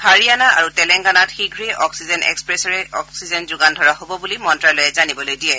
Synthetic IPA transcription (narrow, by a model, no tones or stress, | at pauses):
haɹianaaɹutɛlɛŋɡanatxiɡʱɹeʔɔksizɛnɛ̰kspɹɛsɔɹɛɔksizɛnzʊɡandʱɔɹaɦobɔbulimɔntɹajlojɛzanibɔlojdiɛ